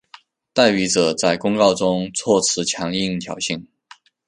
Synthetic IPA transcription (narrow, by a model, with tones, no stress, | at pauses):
t̪a˥˩ɪpi˧˥ʈ͡ʂɤ˨˩t͡sa˥˩ɪkʊ˥ŋkɑ˥˩ʊʈ͡ʂʊ˥ŋt͡sʰwɔ˥˩t͡sʰɹ̩˧˥t͡ɕʰjɑ˧˥ŋi˥˧ŋt̪ʰjɑ˨˩ʊɕi˥˩ŋ